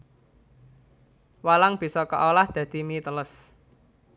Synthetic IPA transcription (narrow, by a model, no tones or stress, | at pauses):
walaŋb̥i̤sɔkə̰ʔolahd̪̥ä̤d̪̥i̤mit̪ələs